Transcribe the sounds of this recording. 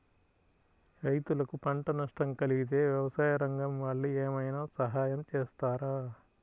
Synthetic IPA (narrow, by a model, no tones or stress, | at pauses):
ɾɐjt̪ulɐkupɐɳʈɐnɐʂʈɐmkɐliɡit̪̬e̞ːʋjɐʋɐsaːjɐɾɐŋɡɐmʋaːɭːueːmɐjnaːsɐɦaːjɐmt͡ʃeːst̪aːɾaː